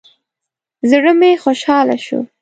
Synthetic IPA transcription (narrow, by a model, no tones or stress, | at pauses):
zɽəmexoʃɑla̰ʃṵ